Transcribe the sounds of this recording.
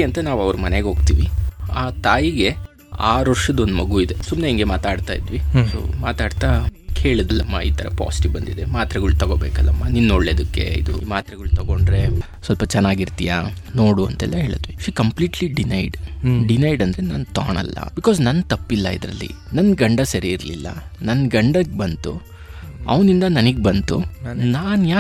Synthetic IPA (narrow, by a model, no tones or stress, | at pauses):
ɐnt̪ɐnaːʋɐʋɾumɐneɡo̞ːɡt̪iːʋiaːt̪aːjiɡe̞ | aːɾʋɐɾʂɐd̪ond̪umɐɡuid̪e̞sumneiŋɡe̞maːt̪aːɖt̪aːjid̪ʋiso̰maːt̪aːɖt̪akeːɭɐd̪ɐlːɐmːa̰ḭːt̪ʰɐɾɐ̰pa̰ːsi̥ʈibɐnd̪id̪emaːt̪ɾɐɡɐɭut̪ɐɡoːbeːkɐlːɐmːɐninːoɭːeːd̪ukːe̞̰ḭd̪ṵmaːt̪ɾɐɡɐɭut̪ɐɡo̞ɳɖɾe̞ | sʋɐlpɐt͡ʃɛnːaːɡiɾt̪ija | no̞ːɽuɐ̰nt̪ɛ̰lːɐɦeːɭɐd̪ʋiʃiːkɐmpliːʈliɖinɐjɖɖinɐjɖɐnd̪ɐɾe̞na̰ːnt̪a̰ːɳɐ̰lːɐ̰bikɔːznɐnːt̪ɐpːilːɐid̪ɾɐ̰lːḭ | nɐnɡɐɳɖɐsɐɾiːɾlḭlːɐ̰nɐnɡɐɳɖɐk̚bɐnt̪u | ɐ̰ʋnind̪ɐnɐniɡebɐnt̪ṵnaːnjaː